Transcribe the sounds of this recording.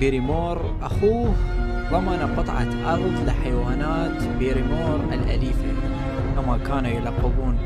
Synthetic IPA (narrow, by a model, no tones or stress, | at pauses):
iːɾimoːɾˤ | ʔaxuːh | ðˤɑmːɑnaqɨt̪ˤʕɑ̰t̪ʔɑɾˤðˤlɪħajwaːnaːt̪biːɾimoːɾˤʔɪ̰lʔa̰liːfa | kamakaːnujɪlɑqːɪbuːn